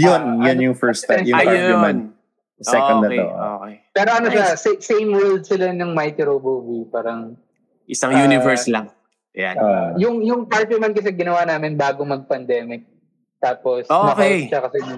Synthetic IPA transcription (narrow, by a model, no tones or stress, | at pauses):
jʊnjʊnjʊŋfɛɹst̪ːjʊapaɹpʊmɐn | sɛɔnd̪ɐo̰o̰kɛpɛːɾoʔɐnoʃassejmwɛld̪̚sɪlanʊŋmajt̪ɪɾobovipaːɾɐŋ | ʔɪsaŋjunɪvɛɹslɐŋ | ja̰ojʊŋjʊŋpaɹpjʊmɐn̚kɐs̬ɛɡɪnɐwanaːmɪnbaːɡomɐɡ̚pɐnd̪ɛːmɪk̚ | t̪aːposoːmɐkɐnʃɐkɐsɛjʊŋ